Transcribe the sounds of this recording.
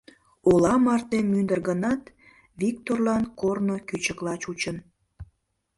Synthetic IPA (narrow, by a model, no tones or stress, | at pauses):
olɑmɑrt̪emːynd̪ərɣənɑt̪ | βik̚t̪orlɑnkornokyt͡ɕəklɑt͡ɕut͡ɕən